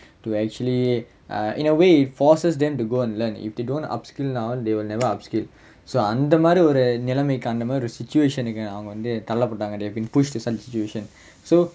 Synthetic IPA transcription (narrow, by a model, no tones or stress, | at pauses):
ʈuæk̚t͡ʃuəli | ʔɪ̰̃nəʋeːɪʈfɔːɾsəs̬d̪ɛ̃mʈuɡoːɛ̃ɳɖlɐɾnɪ̰fd̪eːɖõːnʈɐ̰pskɪlnaʊd̪eːʋɪlnɛʋəɾɐpskɪl | soːɐ̃nd̪ɐmaːd̪ɾiɔɾnɪlɐmekɐ̃nd̪ɐmaːd̪ɾiɔɾsɪt͡ʃueːʃɐ̃nkɐ̃ɐʋɐ̃ŋɡɐʋɐ̃nd̪ɨt̪ɐlːɐpːɐʈːãːŋɡɐd̪eːɦɛʋbĩːnpʊʃʈd̪isɐlsɪt͡ʃueːʃə̃n | soː